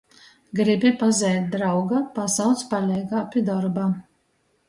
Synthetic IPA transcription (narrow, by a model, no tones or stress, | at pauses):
ɡɾibʲipazʲɛjt̪̚ʲd̪ɾawɡapasawt̪spalʲɛjɡaːpʲid̪ɔɾbaː